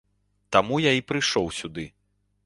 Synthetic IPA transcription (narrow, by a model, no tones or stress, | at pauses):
t̪amujaipɾɨʂɔwsʲud̪ɨ